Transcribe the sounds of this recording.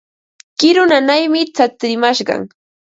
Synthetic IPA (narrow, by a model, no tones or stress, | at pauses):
kɪɾʊnanajmɪt͡sat͡sɾɪmaʃɢɑ̰ŋ